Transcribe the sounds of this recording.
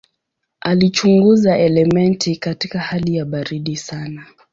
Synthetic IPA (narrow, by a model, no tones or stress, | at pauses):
alit͡ʃuŋɡuzaɛlɛmɛntʰikatikahalijaɓaɾiɗisana